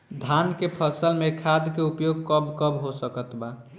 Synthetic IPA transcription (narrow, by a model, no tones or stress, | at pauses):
d̪ʱankepʰəsəlmekʰad̪keupjoɡ̚kəbkəbɦosəkət̪ba